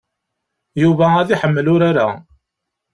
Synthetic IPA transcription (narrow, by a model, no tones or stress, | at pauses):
juvææðiħəmːəlʊɾaɾa̰